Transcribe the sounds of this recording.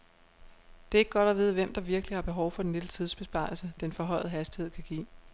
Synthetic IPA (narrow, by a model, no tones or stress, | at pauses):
d̥e̝æe̝ɡ̥ɡ̥ɒɾ̥ɒʋe̝ð̞ˠʋem̰d̥ɑ̈ʋiɐɡ̥əlihɑ̈b̥e̝ɦɒʊfɒdenled̥ət͡sʰiðˠsb̥e̝sb̥ɑ̈ːɪl̩səd̥enfɒ̽ɦɒ̽ɪ̰ð̩ˠɦæsd̥ihe̝ð̞̰ˠkʰæɡ̥ḭː